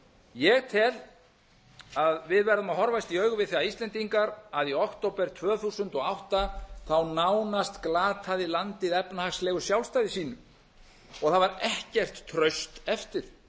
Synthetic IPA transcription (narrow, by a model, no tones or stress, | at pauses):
jɛɣt̪ʰɪl | aðvɪðvɛɾðʏmaðhɦɔɾvajst̪iœːɥɣʏvɪðθiaist̪lɛnt̪iŋkaɾaðiɔkt̪owpɛɾ̥t̪ʰvœːθusʏnt̪ɔɣawht̪aθawnawnast̪klaːt̪ʰaðɪlant̪ɪðɛpnahaxslɛːɣʏsjawlst̪ajðɪsiːnʏm | ɔɣθavaɾɛhcɛr̥t̪ʰːɾœɥst̪ɛft̪ɪɾ̥